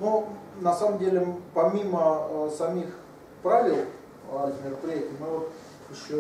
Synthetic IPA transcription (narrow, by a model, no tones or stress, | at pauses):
nonɐsaməmdʲelʲɪpɐmʲiməsɐmʲix | pɾavʲɪlˠ | ɪzmʲɪɾəpɾʲɪjætʲɪmɨvot̪ | ɨʂlʲi